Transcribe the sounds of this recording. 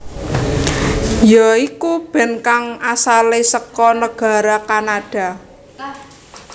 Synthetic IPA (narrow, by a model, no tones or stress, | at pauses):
jɔikub̥ɛ̤nkaŋasalesəkɔnəɡ̥a̤ɾakanad̥a̤